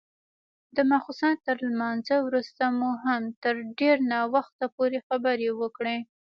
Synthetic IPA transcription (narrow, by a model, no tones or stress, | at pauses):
d̪əmaxusɑnt̪əɾlmɑnzəwɾust̪amuɦamt̪əɾɖeɾnɑwaxt̪apoɾexabəɾewəkɽe